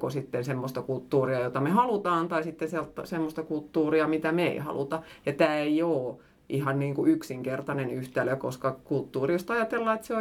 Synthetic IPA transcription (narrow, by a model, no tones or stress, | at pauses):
kosit̪ːensemːost̪ɑkult̪ːuːriɑjot̪ɑmehɑlut̪ɑːnt̪ɑisit̪ːensiælt̪semːost̪ɑkult̪ːuːriɑmit̪æmḛihɑ̰lṵt̪ɑjɑt̪æːeijoː | ʔihɑnniːŋkuyksiŋkert̪ɑnenyht̪æløkoskɑkult̪ːuːriost̪ɑjɑt̪elːɑːet̪seo